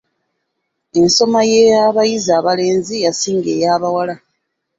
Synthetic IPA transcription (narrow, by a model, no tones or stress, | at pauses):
e̞nso̞majejaβajizaːβale̞ːnzijasiːŋɡe̞ːjaːβawala